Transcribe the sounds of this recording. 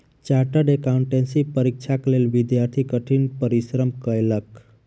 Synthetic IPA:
t͡ʃaʈəɖekauɳʈensipəɾik̚t͡ʃʰaklelʋid̪jaɾt̪ʰikəʈʰinpəɾisɾəmkəjlək

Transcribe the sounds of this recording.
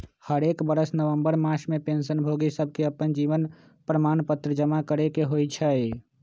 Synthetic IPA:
həɾekbəɾəsnəʋəmbəɾmasʰmepensənbʱoɡisəb̚ʱkeəpənd͡ʒiʋən | pɾəmanpət̪ɾəd͡ʒəmakəɾekeɦojt͡ʃʰə

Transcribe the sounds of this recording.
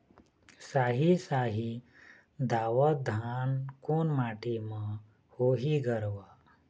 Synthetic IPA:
saɦisaɦi | d̪aʋəd̪ʱankunmaʈima | hoɦiɡəɾʋa

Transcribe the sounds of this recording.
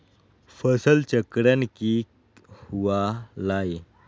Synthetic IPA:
fəsəlt͡ɕəkɾanki | huʋalae

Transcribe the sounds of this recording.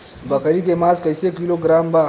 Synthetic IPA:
bɐkɾikemaːzkɐɪsekiloɡɾaːmba

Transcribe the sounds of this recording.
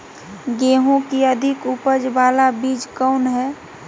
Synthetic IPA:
ɡeːɦõkiəd̪ʱɪkupəd͡ʒʋaːlabiːd͡ʒkɔʊnɦɛː

